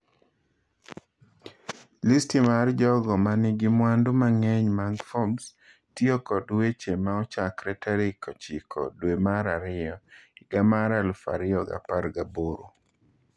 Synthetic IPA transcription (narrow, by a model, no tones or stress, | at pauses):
listimard͡ʒɔɡɔmanɪɡɪmwandʊmaŋɛɲmaŋfɔms | tiokɔdwet͡ʃemaɔt͡ʃakɾɛtaɾikɔt͡ʃɪkʰɔ̰dwemaɾaɾɪɔɪɡamaɾalfa̰ɾɪɔɡa̰paɾɡaboɾo